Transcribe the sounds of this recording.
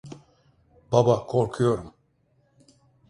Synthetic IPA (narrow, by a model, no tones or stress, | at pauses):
babakʰoɾkʰujo̞ɾum